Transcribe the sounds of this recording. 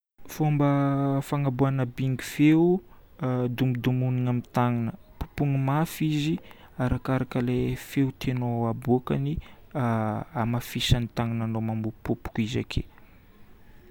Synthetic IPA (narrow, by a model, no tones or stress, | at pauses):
fombəfaŋabuanəbiŋɡifeu | d̪umid̪umuniŋamit̪aŋinəpu̥puŋimafizi | aɾakaɾakəlefeut̪ʰenoabuakani | amafisanit̪aŋananomamupupu̥kiza̰kʰḛ